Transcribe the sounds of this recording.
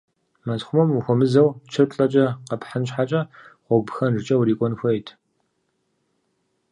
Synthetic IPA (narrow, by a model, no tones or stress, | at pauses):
mɐzχʷʊmɐmuxʷɔmɨzɐwt͡ʃʰɪrpʼɬʼɐt͡ʃʼɐqɐpħanɕħat͡ʃʼɐχʷɔbxɐnrɨt͡ʃʼɐwɾiːkʷʼɔnxʷɔjtʰ